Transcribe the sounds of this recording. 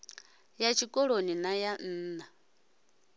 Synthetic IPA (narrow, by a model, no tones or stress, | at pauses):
jat͡ʃʰikʼɔɺoninajan̩ːna